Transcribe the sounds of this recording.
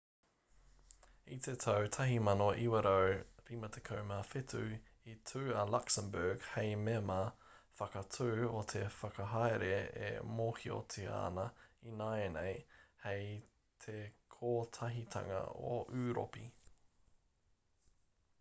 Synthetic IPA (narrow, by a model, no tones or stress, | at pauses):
it̪ʰet̪ʰɐwt̪ʰɐɦimɐnoʔiwɐɾəwɾimɐt̪ʰekʰowmafɪt̪ʰʉ | itʰʉːɐlaksəmbɛːɡhejmemafɐkɐtʰʉːot̪ʰefɐkɐɦajɾeḛmoːhio̰t̪ʰea̰ːnɐinaenejhej | t̪ʰekʰoːt̪ʰɐɦit̪ʰɐ̰ŋɐ̰o̰ʔʉːɾo̰pḭ